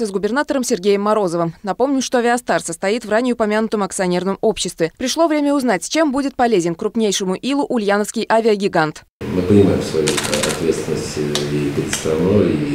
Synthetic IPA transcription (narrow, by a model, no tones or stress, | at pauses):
əzɡʊbʲɪrnat̪əɾəmsʲɪrɡʲejɪmːɐɾo̞zəvəmnɐpo̞mnʲɪʂt̪o̞ɐvʲɪɐst̪arsəst̪ɐit̪vranʲɪʊpɐmʲanʊt̪əmɐkt̪sɨɐnʲe̞rnəmo̞pɕːɪst̪vʲɪpɾʲɪʂlˠo̞vɾʲemʲəʊznatʲt͡ɕe̞mbudʲɪt̪̚pɐlʲezʲɪnkɾʊpnʲejʂɨmʊʔilˠʊʔʊlʲjanəfskʲɪjʔavʲɪəɡʲɪɡant̪ | mɨpənʲɪmaɪmsvɐjuɐ̰t̪vʲet̪st̪ʲɪnːəsʲtʲipʲɾʲɪt̪st̪ɾɐnui